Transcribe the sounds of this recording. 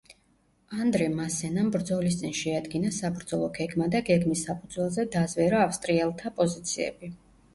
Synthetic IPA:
and̪ɾɛmasɛnambɾd̪zɔlis̬t̪sʼinʃɛad̪ɡinasabɾd̪zɔlˠɔɡɛɡmad̪aɡɛɡmisːapʰud̪zwɛlˠzɛd̪azvɛɾaːfst̪ʼɾiɛlˠt̪ʰapʼɔzit̪sʰiɛ̰bi

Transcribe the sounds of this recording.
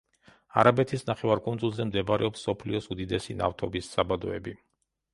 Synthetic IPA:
a̰ɾabɛt̪ʰisnaχɛvaɾkʼunzulˠzɛmd̪ɛbaɾɛɔpsːɔpʰliɔsud̪id̪ɛsina̰ft̪ʰɔbisːabad̪ɔɛbi

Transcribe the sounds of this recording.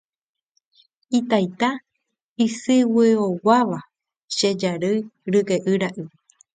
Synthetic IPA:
it̪ajt̪a | isɨweowaʋa | ʃed͡ʒaɾɨjɾɨkeʔɨɾaʔɨ

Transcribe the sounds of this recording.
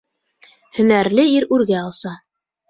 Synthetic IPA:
hɵ̆næɾlɘiɾʉɾɡæɑlˠsɑ

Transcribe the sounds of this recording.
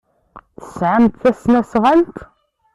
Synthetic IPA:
θəsʕamt̪θæsnæsʁælt̪

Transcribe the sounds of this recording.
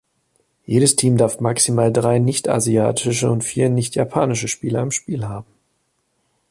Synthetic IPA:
jeːɾəstʰiːmdaɐfmaksimaːldʁaɪnɪçta̰zia̰ːtʰɪʃəʊntfiːɐnɪçtjapʰaːnɪʃəʃpiːlɐɪmʃpiːlhaːbm̩

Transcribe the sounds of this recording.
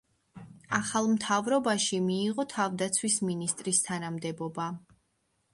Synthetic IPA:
aχalˠmt̪ʰavɾɔbaʃimiːʁɔt̪ʰavd̪at̪sʰwisminist̪ʼɾist̪ʰanamd̪ɛbɔba

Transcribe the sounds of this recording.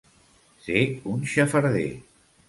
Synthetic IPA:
seunʃəfəɾðḛ

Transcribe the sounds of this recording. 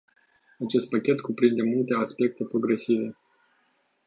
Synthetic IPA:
at͡ʃe̞st̪̚pakʲe̞t̪kupɾind̪e̞mult̪e̞aspe̞k̚t̪e̞pɾo̞ɡɾe̞sive̞

